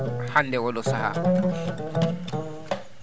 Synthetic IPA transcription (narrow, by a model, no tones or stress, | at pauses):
handɛwɔlʊsaha̰